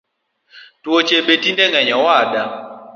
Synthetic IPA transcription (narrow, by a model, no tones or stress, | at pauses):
twot͡ʃebetindɛŋɛɲɔwada